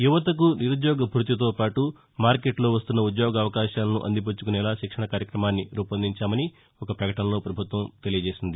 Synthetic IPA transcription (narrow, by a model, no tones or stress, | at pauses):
juʋɐt̪ɐk̬uniɾud̪jɔːɡɐbʱɾut̪̬it̪̬o̞ːpaːʈu | maːɾke̞ʈlo̞ːʋɐst̪unːɐud̪joːɡɐɐʋɐkaːʃaːlɐnṵʔɐ̰nd̪ip̬ot͡ʃːu̥kunɛːlaːʃikʂɐɳɐkaːɾjɐkɾɐmaːnːiɾuːpɐnd̪iɲt͡ʃaːmɐni | ɔkɐpɾɐkɐʈɐnɐlo̞ːpɾɐbʱut̪ʋɐmt̪e̞lijɐd͡ʒeːsind̪i